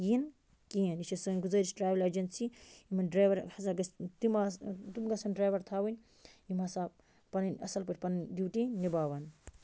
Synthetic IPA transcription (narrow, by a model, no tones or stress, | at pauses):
jin | kiɐnit͡ʃʰisɐnʲɡuzɐɾisʈɾaːʋilɐd͡ʒɐnsiimɐnɖɾaːjʋɐɾɐzɐɡɐst̪imat̪umɡɐsɐnɖɾaːʋɐɾt̪ʰaːwɐnʲ | jimasaː | pɐnɐnɐ̰sɐlpɐʈʰʲpɐnnʲd̪iwʈinibaːʋɐn